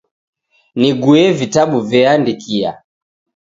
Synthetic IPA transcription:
niɡuɛvitaɓuvɛandikia̰

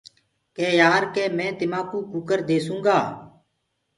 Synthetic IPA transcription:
keːjaːɾkeːmɛ̃ːt̪ɪmãːkuːkʊkəɾd̪eːsũːŋɡaː

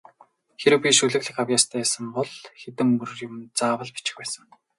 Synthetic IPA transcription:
xeɾɘ̆wpʲiʃuɮɘ̆ɣɮɘ̆xawjʲaːst̪ʰæːsə̆mpɔɮxet̪ɘ̆mːɵr̆rjʊ̆mt͡saːwə̆ɮpi̥t͡ɕɪ̥̆xpæːsə̆ŋ

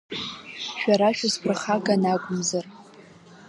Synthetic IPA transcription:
ʃᶣaɾaʃᶣʊzpʰrɨχaɡʼanaɡʷʼʊmzar

